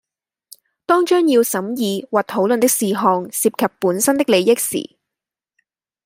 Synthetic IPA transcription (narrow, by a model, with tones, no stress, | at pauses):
t̪ɔː˥ŋt͡ʃœː˥ŋjiː˧wsɐ˨˥mjiː˨˧waː˨t̚t̪ʰo˨˥wlɵ˨nt̪ɪ˥k̚siː˨ɦɔː˨ŋsiː˧p̚kʰɐ˨pːuː˨˥nsɐ˥nt̪ɪ˥k̚le˨˧jɪ˥k̚sḭː˨˩